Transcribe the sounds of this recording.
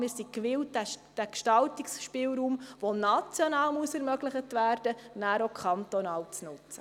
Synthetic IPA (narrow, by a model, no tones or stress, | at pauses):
mɪːɾsikʋɪltd̥ækʃtɑltiksʃpɪːlɾuːmʋonɑt͡sjɔnɑːlmuəsɛɾmœɡlɪχətʋæːɾd̥ənæːɾokʰɑnt̪onɑːlt͡snʊt͡sə̥